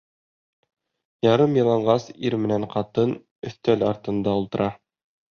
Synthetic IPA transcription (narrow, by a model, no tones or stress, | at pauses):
jɑɾɤmjɤ̆lˠɑɴɢɑsiɾmɘ̆næɴqɑt̪ɤn | ɵ̆θt̪ælɑɾt̪ɤ̆nd̪ɑulˠt̪ɤ̆ɾʔɑ